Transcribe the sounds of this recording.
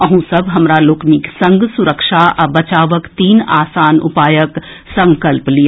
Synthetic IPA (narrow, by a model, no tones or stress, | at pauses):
əɦũsɐbɦɐmɾaloːkniksɐ̃ŋɡsʊɾəkʃaʔɐbɐt͡ʃaːʋəkt̪iːnaːsaːnʊ̰paːjək | sɐ̃ŋkəlplijaː